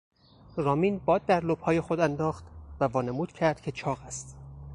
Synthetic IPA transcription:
ɾɒːmiːnbɒːd̪̚ːæɾlob̥hɒːje̞xod̪ænd̪ɒːχt̪vævɒːnemuːd̪̥cʰæɾd̪̥cʰe̞t͡ʃʰɒːɣæst̪

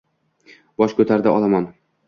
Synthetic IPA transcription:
b̥ɒʃkʰɵt̪ʰaɾd̪aʔɒlˠaman

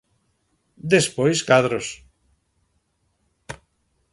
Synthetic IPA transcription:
d̪espojskaðɾos

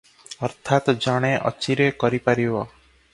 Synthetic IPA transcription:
ʌɾt̪ʰat̪d͡ʒaɽ̃eʔɔ̰t͡ʃiɾekɔɾipaɾibɔ

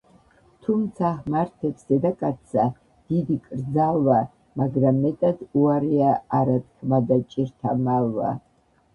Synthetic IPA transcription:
t̪ʰumt̪sʰaχmaɾt̪ʰɛpsd̪ɛd̪akʼatt̪sa | d̪̥id̪ikʼɾd̪d͡zalva | maɡɾamːɛt̪ʼad̪uaɾiaaɾat̪kʰmad̪at͡ʃʼiɾt̪ʰamalːa̰

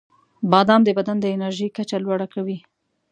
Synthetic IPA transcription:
bɑd̪ɑmd̪əbad̪and̪əɪnaɾʒəjkat͡ʃalwaɽakawi

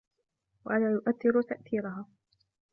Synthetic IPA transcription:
waʔalaːjʊʔaθːɪɾʊt̪aʔθiːɾʊɦaː

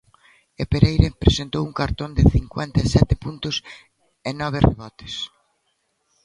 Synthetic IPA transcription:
epeɾejɾepɾesent̪owuŋkaɾt̪ond̪ɪθiŋkwɛnt̪esɛt̪ɪpunt̪ʊs | enɔβ̞ɪrḛβɔt̪ɪ̥s

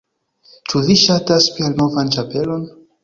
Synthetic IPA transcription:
t͡ʃuviʃataspielnovant͡ʃape̞lo̞n

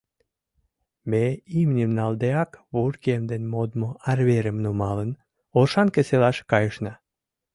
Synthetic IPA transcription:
meimnʲemnɑld̪eɑkβurkiemd̪enmod̪moʔarβeɾəmnomɑlən | oʃɑnkeselɑʃkɑjəʃnɑ

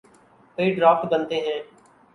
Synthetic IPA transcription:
kəiːɖɾaːf̚ʈbənt̪eːɦɛ̃ː

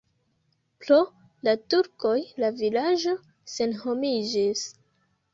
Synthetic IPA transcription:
pɾo | latuɾko̞jlavilad͡ʒo̞ | se̞nho̞mid͡ʒis

